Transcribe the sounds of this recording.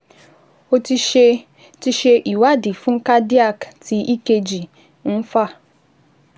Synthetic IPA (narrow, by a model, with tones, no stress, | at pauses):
o˦ti˦e˦ | ti˦ʃe˦ʔi˨wa˦dɪ˨fu˦ŋ̩˦ka˦di˦a˦˨ktʰi˨i˦ke˦d͡ʒi˨ | n̩˦fa˦